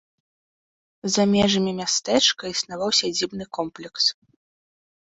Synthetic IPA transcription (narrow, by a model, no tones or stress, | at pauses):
zamʲɛʐɐmʲimʲast̪ɛt͡ʂkɐisnavawsʲɐd͡zʲibnɨkɔmplʲɛks